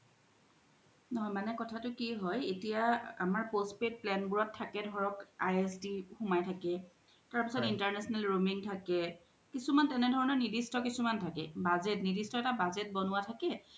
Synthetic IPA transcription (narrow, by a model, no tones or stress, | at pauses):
nɔɦɔjmanɛkɔtʰatʊkiɦɔjetijaa̰maɹpospet̚plɛnbuɹɔtʰːakɛdʱɔɹɔkajesdixʊmajtʰakɛ | taɹpisɔtintaɹnɛsɔnalɹomiŋtʰakɛ | kisumantɛnɛdʱɔɹɔnɔɹnidistɔkisumantʰakɛ̰bazetnidistɔɛtabazɛt̚bɔnʊwatʰakɛ